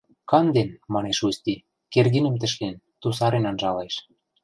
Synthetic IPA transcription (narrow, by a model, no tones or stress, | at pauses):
kɑnd̪enmɑneʃust̪i | kerɣinə̆mt̪ɘ̆ʃlen | t̪us̬ɑɾenɑnʒɑleʃ